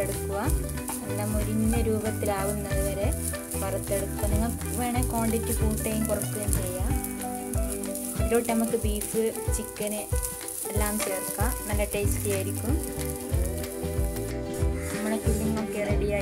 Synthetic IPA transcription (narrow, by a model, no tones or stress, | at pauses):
eɽukːuʋɐ | lːɐmːoɾinːɐɾuːbɐt̪ːilaːʋunːɐðɨʋɐɾe̞ | pɐrɐt̪ːe̞ɽukːuʋɐniŋːɐɭ | ʋeːɳeko̞ːɳɖitːɨfuːʈːejumkurɐk̪ːuɣɐnt͡ɕejːa | iɾo̞ːʈːenɐmukːɨbiːfɨt͡ɕikːɐnɨ | elːaːmt͡ɕeːrkːanɐlːɐʈːestijaːjiɾikʲːum | nɐmːɐɳekuɭːinmokːeɽɐɽijaː